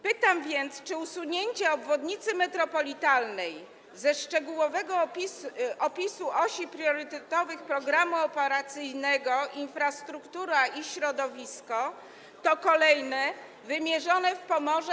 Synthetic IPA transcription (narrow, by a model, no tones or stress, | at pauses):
pɘt̪amvʲjɛnt̪st͡ʂɘusuɲeɲt͡ɕɛɔbvɔd̪ɲit̪sɘmɛt̪ɾɔpɔlʲit̪alnɛj | zɛʂt͡ʂɛɡuwɔvɛɡɔpʲiɔpʲisuʔɔɕipɾjɔɾɘt̪ɛt̪ɔvɘxpɾɔɡɾamuɔpɛɾat̪sɘjnɛɡɔʔinfɾast̪ɾukt̪uɾaiɕɾɔd̪ɔvʲiskɔ | t̪ɔkɔlɛjnɛ | vɘmʲjɛʐɔnɛfpɔmɔʐɛ